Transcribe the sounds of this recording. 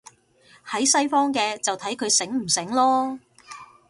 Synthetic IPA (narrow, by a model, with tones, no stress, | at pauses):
hɐ˨˥jsɐ˥jfɔː˥ŋkɛː˧t͡sɐ˨wt̪ʰɐ˨˥jkʰɵ˨˧ɥsɪ˨˥ŋm̩˨˩sɪ˨˥ŋlɔː˥